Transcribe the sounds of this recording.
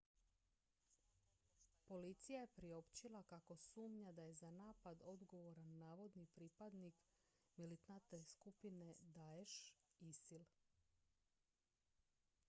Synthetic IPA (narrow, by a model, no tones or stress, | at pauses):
po̞lit̪sijaje̞pɾio̞pt͡ɕilˠakako̞suːmɲad̪aje̞zanaːpad̪o̞d̪ɡo̞ʋo̞ɾanːaːʋo̞d̪nipɾipad̪nik | milit̪nat̪eskupine̞d̪aeʃisil